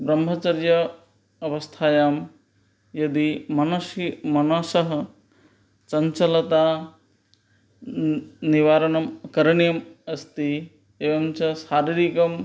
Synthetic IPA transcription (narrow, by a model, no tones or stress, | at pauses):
bɾɐmɦɐt͡ʃɐɾjɐː | ʋɐst̪ʰaːjaːm | jɐd̪imɐnɐsimɐnɐsɐɦɐ | sɐɲt͡ʃɐlɐt̪aː | niʋaːɾɐnɐmɐkɐɾɐɳijɐmɐst̪i | eːʋɐmt͡ʃɐsaːɾiɾikɐm